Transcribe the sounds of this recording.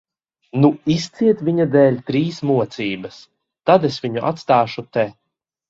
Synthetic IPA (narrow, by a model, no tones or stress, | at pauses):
nuist̪siɛt̪vʲiɲad̪ɛːlʲt̪ɾiːsmuɔt̪siːbɐs | t̪ad̪esvʲiɲuʔa̰t̪st̪aːʃut̪ɛ